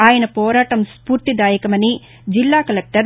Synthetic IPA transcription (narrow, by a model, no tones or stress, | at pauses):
aːjɐnɐpɔːɾaːʈɐmspuːɾt̪id̪aːjɐkɐmɐni | d͡ʒilːaːkɐlek̚ʈɐɾ